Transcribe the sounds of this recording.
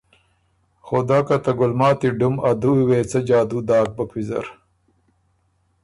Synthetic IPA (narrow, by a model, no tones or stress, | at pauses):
xod̪aːkɐt̪ɐɡʊlmaːt̪iɖumɐd̪uiweːt͡sɐd͡ʑaːd̪ud̪aːk̚bɐkwizɐ̰ɾ